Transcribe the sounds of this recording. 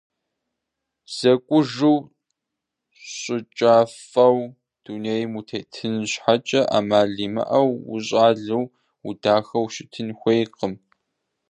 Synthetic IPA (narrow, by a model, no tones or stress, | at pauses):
z̥ɐkʷʼʊʒɨw | ɕʼɪt͡ʃʼaːf | ɐw | d̥uːneːjmutʰeːtʰɨnɕħat͡ʃʼɐʔa̰ːmaːɮiːmɐ̰ʔɐwʊ̰ɕ̬ʼaːɮɨw | udaːxɐwʃɪtʰɨnxʷejqəm